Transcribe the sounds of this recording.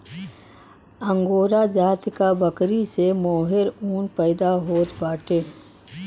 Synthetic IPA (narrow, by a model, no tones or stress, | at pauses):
ə̃ŋɡoːɾad͡ʒaːt̪kabəkɾisemɔːɦɪɾuːnpɛɪd̪aɦoːt̪baːʈeː